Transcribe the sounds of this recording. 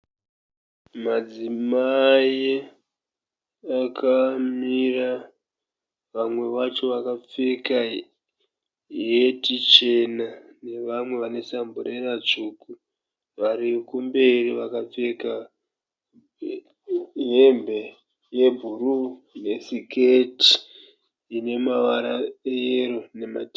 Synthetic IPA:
mad͡zimaje | akʰamira | ʋamwe̞ʋat͡ʃo̞ʋakap͡feka | jetit͡ʃe̞nane̞ʋamwe̞ʋane̞sambuɾerat͡ʂuku | ʋaɾikumbe̞riʋakap͡feka | ɦembe̞ | je̞bʱuru | ne̞siketi̥ | ine̞maʋaɾaejerune̞ma̰ti

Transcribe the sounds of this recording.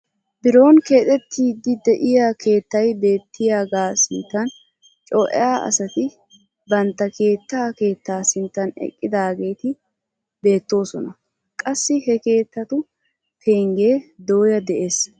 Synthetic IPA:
bɪɾo̞ːnke̞ːt̪ʼɛt̪ʰːiːd̪ɪd̪ɛʔɪjaːkʰe̞ːt̪ːɐjbe̞ːt̪ːɪjaːɡaːsɪnt̪ːɐn | t͡ʃʼɔːʔɛ̰jaːʔɐ̰sɐt̪ɪ | bɐnt̪ːɐkʰe̞ːt̪ːaːke̞ːt̪ːaːsɪnt̪ːɐnɛ̰kʼːɪd̪aːɡe̞ːt̪ɪ | be̞ːt̪ːo̞ːsɔnɐ | kʼɐsːɪɦɛke̞ːt̪ːɐt̪ʊ | tʰeːŋɡeːd̪o̞ːjɐd̪ɛʔe̞ːs

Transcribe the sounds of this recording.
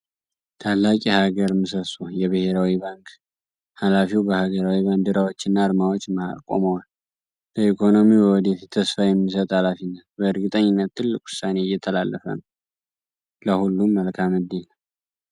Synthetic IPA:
t̪ʰalːakʼihaɡəɾmɨsəsujɛβɨhe̞ɾawiβaŋkʰ | halafiwbəhaɡəɾawiβand̪ɨɾawo̞t͡ʃːɪnːaɾmawo̞t͡ʃːmaa̰kʼo̰məwal | bəikʰo̞no̞miwəwɔd̪efit̪ʰːəsfajɛmːis̬ət̪ʼhalafinːət̪bəɨɾɡɨt̪ʼəɲːɪnːət̪ʰːɨlːɨkʼʊ̥sːane̞ɪjːɛt̪ʰəlalːəfə̰nəw | ləhulːumːəlkʰamɨd̪enəw

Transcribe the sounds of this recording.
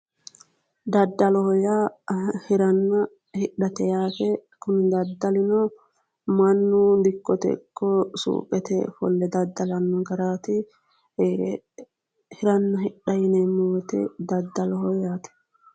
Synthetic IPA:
d̪ɐd̪ːɐlɔhɔjahɪɾɐnːɐ | hɪᶑɐt̪ɛjaːfɛkʊnɪd̪ɐd̪ːɐlɪnɔ | mɐnːʊd̪ɪkːɔt̪ɛ̰kʰːɔsṵːkʼɛt̪ɛ̰fɔ̰lːɛd̪ɐd̪ːɐlɐnːɔɡɐɾaːt̪ɪ | hɪɾɐnːɐɦɪɗɐjɪnɛmɔːt̪ɛ̰d̪ɐd̪ːɐlɔhɔjaːt̪ɛ̥

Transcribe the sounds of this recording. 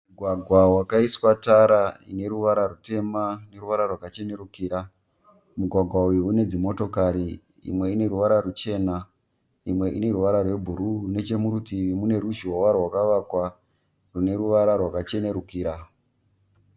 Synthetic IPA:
muɡʱwaɡʱwawakaiswataɾaine̞ɾuʋaɾarute̞mane̞ruʋaɾarwakat͡ʃe̞ne̞ɾukiːɾa | muɡʱwaɡʱwaujuune̞d͡zimo̞to̞kaɾi | ḭmwe̞ine̞ɾuʋaɾarut͡ʃe̞ːna | imwe̞ʔine̞ruʋaɾarwe̞bʱuɾurune̞t͡ʃe̞muɾutiʋimune̞ɾuʒiwowawakaʋakwa | rune̞ɾuʋaɾarwakat͡ʃe̞ne̞ɾukiːɾa

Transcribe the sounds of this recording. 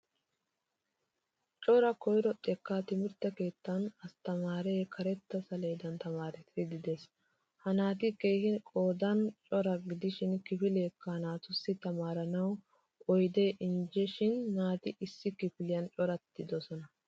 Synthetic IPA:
t͡ʃʼɔɾɐkɔjɾɔt̪ʼːɛkːaːt̪ɪmɪɾt̪ːɐke̞ːt̪ːɐnɐst̪ɐmaːɾɛkʰɐɾɛt̪ːɐsɐleːd̪ɐnt̪ɐmaːɾɪt̪ɪd̪ɪd̪ɪd̪es | hɐnaːt̪̬ɪkeːhɪkʼo̞ːd̪ɐnt͡ʃʼɔɾɐɡɪd̪ɪʃɪnkɪfɪleːkːɐhnaːt̪ʊsːɪt̪ɐmaːɾɐnɐw | ʔɔjd̪e̞ːʔɪnd͡ʒɛʃɪnːaːt̪ɪʔɪsːɪkɪfɪlɪjɐnt͡ʃʼɔɾɐt̪ːɪd̪ɔsɔnɐ

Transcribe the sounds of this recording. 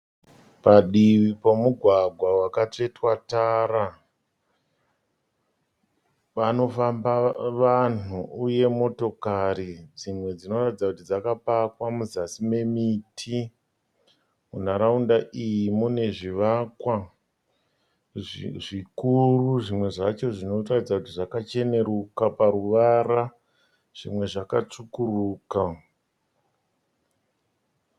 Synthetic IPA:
paɗiʋipomuɡʱwaɡʱwawakat͡ʂe̞twataːra | ʋano̞fambaʋanuuje̞mo̞to̞kaɾid͡zimwe̞d͡zino̞ratid͡zakutid͡zakapakwamuzasime̞mitʰi | mun̤aɾaundaʔijimune̞ʐiʋakwa | ʐikuruʐimwe̞ʐat͡ʃo̞ʐino̞ratid͡zakutiʐakat͡ʃe̞ne̞ɾukapaɾuʋara | ʐ̥imwe̞ʐakat͡ʂukuruːka

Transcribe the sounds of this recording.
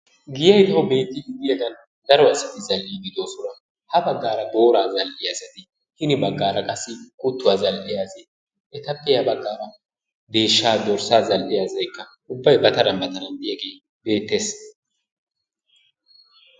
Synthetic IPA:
ɡɪjɐjt̪ɐhʊbe̞ːt̪ːɪʊɡ̪ɪjɛɡɐn | d̪ɐɾɔɐsɐt̪ɪzɐlʔiːɡ̪ɪd̪o̞ːsʊnɐ | hɐbɐɡːaːɾɐbo̞ːɾaːzɐlʔɪjasɐt̪ɪ | hɪnɪbɐɡːaːɾɐkʼɐsːɪkʼʊt̪ːʊwazɐlʔɪjaːze | ʔɛt̪ɐpːɛjɐbɐɡːaːɾɐ | d̪e̞ːʃːaːd̪ɔɾsaːzɐlʔɪjaːzɐjkːɐ | ʊbːɐjbɐt̪ɐɾɐnbɐt̪ɐɾɐnd̪ɪjɐɡeː | be̞ːt̪ːe̞ːs

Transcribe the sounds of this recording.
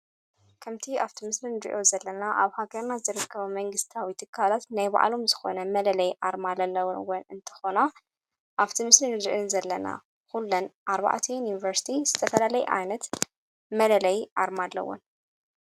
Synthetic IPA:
kʰɐmt̪ʰiaβt̪ʰimɨslinɨɾḭʔo̞zɐlːɐnaʔaβhaɡɐɾnazɨɾɨkʰːɐβumɐŋɡɨst̪ʰawit̪ʰɨkʰːalat̪najβa̰ʔlo̞mzɨxo̞nɐmɐlɐlɐjʔaɾmalɐlːɐwwɐnɨnt̪ʰɐ̥xo̞na | ʔaβt̪ʰimɨslinɨd̪ɾʔɨnzɐlːɐna̰ | kulːɐnʔaɾβa̰ʕt̪ʰinjunivɐɾsi̥t̪ʰizɨt̪ʰɐfɐlalɐjɛ̰ʔa̰jnɐt̪ | mɐlɐlɐjʔaɾmalːɐ̰wo̰n

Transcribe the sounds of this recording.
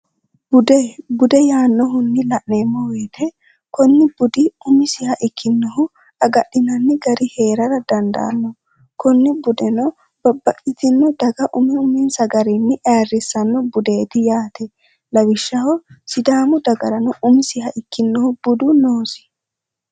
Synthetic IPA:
bʊd̪ɛbʊd̪ɛjaːnːɔɦʊnːɪlɐʔneːmːɔwe̞ːt̪ɛ | kɔnːɪbʊd̪ɪʊmɪsɪhɐʔɪkʰːɪnːɔhʊ | ɐɡɐɗːɪnɐnːɪɡɐɾɪhe̞ːɾɐɾɐd̪ɐnd̪ɐ̰ːnːɔ | kɔnːɪbʊd̪ɛnɔ | bɐbːɐʔʼɪt̪ɪnːɔd̪ɐɡɐʔʊmɪʊmɪnsɐɡɐɾɛnːɪʔaːrːɪsɐnːɔbʊd̪eːt̪ɪjaːt̪ɛ | lɐwɪʃːɐhɔsɪd̪aːmʊd̪ɐɡɐɾɐnɔʔʊmɪsɪhɐʔɪkːɪnːɔhʊb̥ʊd̪ʊnoːsɪ̥

